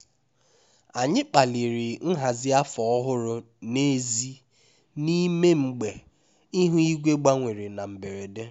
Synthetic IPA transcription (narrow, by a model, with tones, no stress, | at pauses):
a˨ɲɪ˦k͡pa˨li˨ɾɪ˨n̩˦ɦa˨zɪ˦a˦fɔ˨ɔ˦ɦʊ˦ɾʊ˨ | ne˦zi˦ | ni˦me˦ŋ͡m̩˦ɡ͡be˨ | i˦ɦu˦i˦ɡʷe˦ɡ͡ba˦ŋʷe˨ɾi˨na˨m̩˨be˨ɾe˨de˦